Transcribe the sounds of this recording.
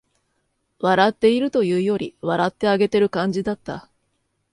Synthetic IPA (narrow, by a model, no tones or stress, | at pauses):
βaɾat̪ːe̞iɾɯ̟t̪o̞jɯ̟ːjo̞ɾʲiβaɾat̪ːe̞aɡe̞t̪e̞ɾɯ̟kãɲ̟d͡ʑid̪at̪ːa̰